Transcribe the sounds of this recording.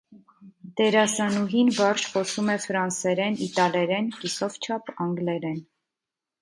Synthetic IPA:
d̪̥ɛɾɑsɑnuɦinvɑɾt͡ʃχɔsumɛfɾɑnsɛɾɛnit̪ɑlɛɾɛnkisɔvt͡ʃʰɑpɑŋɡlɛɾɛn

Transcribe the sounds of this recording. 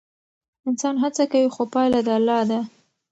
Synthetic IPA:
ɪnsɑnɦat͡sakawixopɑjlad̪əalːɑd̪a

